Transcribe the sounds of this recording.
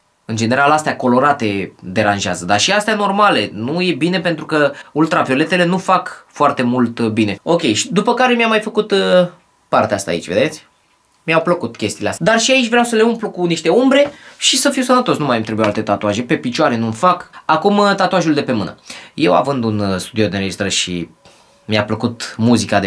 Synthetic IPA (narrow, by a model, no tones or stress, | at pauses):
ɨnd͡ʒene̞ɾalast̪eako̞lo̞ɾat̪e̞d̪e̞ɾanʒea̰zəd̪aʃiast̪eano̞rmale̞nuje̞bine̞pe̞nt̪ɾukəult̪ɾavio̞le̞t̪e̞le̞nufakfoart̪e̞mult̪bine̞o̞kʲe̞jʃid̪upəkaɾe̞miamajfəkut̪ | part̪east̪a̰ḭt͡ʃʲve̞̰d̪esʲ | miawpləkut̪kʲe̞st̪ilea̰st̪d̪arʃiait͡ʃʲvɾeawsəle̞umplukuniʃt̪e̞umbɾe̞ʃisəfiwsənət̪o̞snumajamt̪ɾebujoalt̪e̞t̪at̪oaʒe̞pe̞pit͡ʃoaɾe̞numfakakumt̪at̪oaʒuld̪e̞pe̞mɨnə̰je̞wa̰vɨnd̪unst̪ud̪iod̪inɾed͡ʒist̪ɾəʃḭ | miapləkut̪muzikad̪e